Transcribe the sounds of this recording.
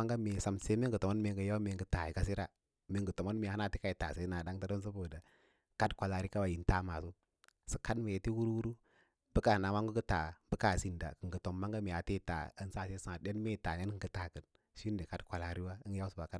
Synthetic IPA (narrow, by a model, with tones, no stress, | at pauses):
a˦ŋɡa˦me˨sa˨mse˦m˦ŋ˦ɡə˨to˨mo˦me˨ŋɡə˨ja˦u˦me˨ŋɡə˨ta˨ji˨ka˦s̬i˦ɾa˦ | mi˨ŋɡə˨to˨mo˦nme˨ha˦na˦˨ti˦ka˨i˨ta˨se˨˦na˨da˦ŋta˦do˦ns̬u˦bo˨da˨ | ka˦dkʷa˨la˨ɾi˦ka˦wa˨ji˨nta˦ma˨su˦ | sə˨ka˦dme˨je˨ti˦wu˦ɾu˦wu˦ɾu˦ | bə˦ka˨na˨wa˦ŋɡu˦ɡə˦ta˨bə˦ka˨si˦nda̰˨kə˨ŋ˨ɡə˨to˨mːa˦ŋɡa˦me˨a˨te˦˨ta̰˨ə˦n˦sa˦˨se˦sã˨de˦n˦me˦˨ta˨ne˦n˦ɡə˨˦ta˨kə˨n | ʃi˦n˦di˨ka˦dkʷa˨la˨ɾi˦wa˦ja˦u˦su˨ba˨ka˦